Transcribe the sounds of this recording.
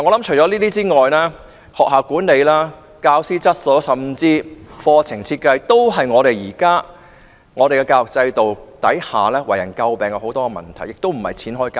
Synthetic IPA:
a˨ŋɔ˨˧lɐ˨˥mt͡ʃʰɵ˨˩jt͡ʃɔ˨˥liː˥t̪iː˥t͡siː˥ŋɔː˨jlaː˥ | hɔː˨k̚ɦaː˨˩wkuː˨˥nne˨˧jlaː˥ | kaː˧wsiː˥t͡sɐ˥t̚sɔ˨˥wsɐ˨mt͡siː˧fɔː˧t͡sʰɪ˨˩ŋt͡sʰiː˧t̚kɐ˧jt̪o˥wɦɐ˨jŋɔː˨˧ɾe˨jjiː˨˩kaː˥ | ŋɔː˨˧e˨jkɛ˧kaː˧wɔ˨k̚t͡sɐ˧jt̪o˨wt̪ɐ˨˥jhaː˨lɛː˥wɐ̰˨˩jɐ˨˩nkɐ˧wpɛː˨˩ŋkɛ˧˥ho˨˥wt̪ɔː˥ɛ˧mɐ̰˨˩nt̪ʰɐ˨˩jɪ˨k̚t̪o˥wm̩˨˩hɐ̰˨jt͡sʰiː˨˥nɦɔː˥jkaː˧

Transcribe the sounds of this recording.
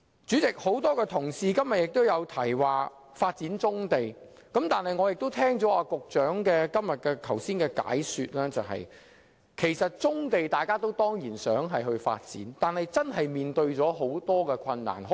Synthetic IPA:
t͡syː˨˥t͡sɪ˨k̚ho˨˥wt̪ɔː˥kɛː˧t̪ʰʊ˨˩ŋsiː˨˧kɐ˥mjɐ˨t̚jɪ˨k̚t̪o˥wjɐ˨˧wt̪ʰɐ˨˩jwaː˨ | faː˧t̚t͡siː˨˥nt͡sʊ˥ŋt̪e˨j | kɐ˨˥mt̪aː˨nhɐ˨jŋɔː˨˧jɪ˨k̚t̪o˥wt̪ʰɛː˥ŋt͡sɔː˨˥aː˧kʊ˨k̚t͡ʃœː˨˥ŋkɛː˧kɐ˥mjɐ˨t̚kɛː˧k̪ʰɐ˨˩wsiː˥nkɛː˧ka̰ː˨˥jsyː˧t̚lɛː˥t͡sɐ˨˩ɦɐ̰˨j | kʰe˨˩jsɐ˨t̚t͡sʊ˥ŋt̪e˨jt̪aː˨jkaː˥t̪o˥wt̪ɔː˥ŋjiː˨˩nsœː˨˥ŋɦɐ˨jɦɵ˧ɥfa̰ː˧t̚t͡sḭ˨˥nt̪aː˨nhɐ˨jt͡sɐ˥nɦɐ˨jmiː˨nt̪ɵ˧ɥt͡sɔː˨˥ɦo˨˥wt̪ɔː˥kɛː˧kʷʰɐ˧nːa̰ː˨˩nɦ

